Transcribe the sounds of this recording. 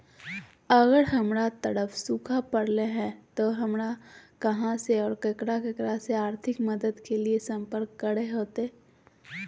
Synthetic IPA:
ɐɣəɾɦɐmɾat̪əɽəfʰsukʰapɐɽleɦɛ̃t̪oɦɐmɾakɐɦãseɔːɾkɐkɾakɐkɾaseaːɾt̪ʰɪkməd̪əd̪keliesɐ̃mpəɾkːəɽeɦoːt̪eː

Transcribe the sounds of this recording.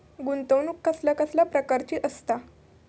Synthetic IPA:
ɡunt̪əwnukːəslakəsljapɾəkaɾt͡ɕiːʔəst̪a

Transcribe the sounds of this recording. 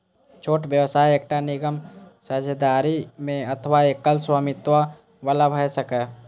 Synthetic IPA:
t͡ʃʰoːʈbjəwsaːieːkʈanɪɡəmsəd͡ʒʱd̪aːɾimẽət̪ʰəʋaekːəlswamɪt̪wa | ʋələbʱɛsəkə

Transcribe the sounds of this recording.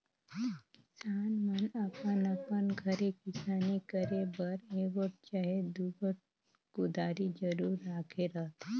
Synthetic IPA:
kɪsaːnmənəpənəpənɡʱəɾekɪsaːnikəɾebəɾeːɡəʈ̚t͡ʃaɦed̪ubəʈ̚ | kʊd̪aːɾid͡ʒəɾuːɾaːkʰeɾəɦt̪ʰe

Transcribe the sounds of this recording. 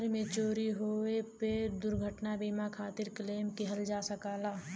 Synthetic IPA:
ɾmẽt͡ʃoːɾiɦoːeped̪ʊɾɡʱəʈnabiːmakʰaːt̪ɪɾkəleːmkiɦəld͡ʒaːsəkaːlaː

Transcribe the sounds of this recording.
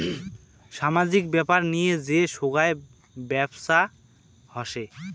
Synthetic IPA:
ʃamad͡ʑik̚bɛpaɾnijed͡ʑeʃoɡae | bɛbʃa | hɔʃe

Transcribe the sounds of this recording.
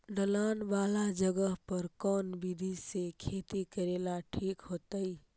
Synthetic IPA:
ɖəlanbalad͡ʒəɡəɦpəɾkɔnbid̪ʱisekʰet̪ikəɾelaʈʰikɦot̪əj

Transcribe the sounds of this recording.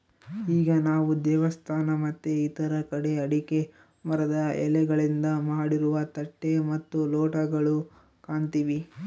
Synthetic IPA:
iːɡɐnaːʋud̪ɛːʋɐst̪ʰaːnɐmɐt̪ːuit̪ɐɾɐkɐɽe̞ɐɽike̞ | mɐɾɐd̪ɐɛ̰lɛɡɐɭind̪ɐmaːɽiɾuʋɐt̪ɐʈːe̞mɐt̪ːuloːʈɐɡɐɭu | kaːɳt̪iʋi

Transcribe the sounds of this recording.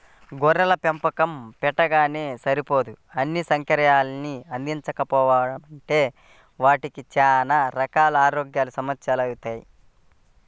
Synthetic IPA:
ɡɔɾɐlɐpempɐkɐmpɛʈːɐɡaːne̞ːsɐɾipo̞ːd̪uɐnːisɐŋkɐɾɐjaːlɐniɐnd̪iɲt͡ʃɐkɐpɔːʋaːɐɽɐmɐɳʈe̞ː | ʋaːʈikit͡ʃaːnaːɾɐkaːlɐaːɾoːɡjaːlusɐmɐt̪sjaːlɐwut̪aːjḭ

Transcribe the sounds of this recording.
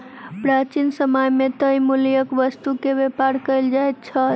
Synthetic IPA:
pɾat͡ʃinsəməjmet̪əjmuljəkʋəst̪ukebepaɾkəjld͡ʒajt̪t͡ʃʰə

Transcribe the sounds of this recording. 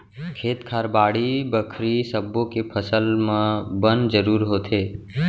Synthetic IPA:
kʰeːt̪kʰaːɾbaːɽibəkʰɾisəbːõkepʰəsəlmãbənd͡ʒəɾuːɾɦoːt̪ʰeː

